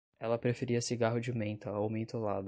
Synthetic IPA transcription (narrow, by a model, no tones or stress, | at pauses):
ɛlɐpɾefeɾiɐsiɡaɦʊd͡ʒɪmẽnt̪ɐowmẽnt̪olad̪ʊ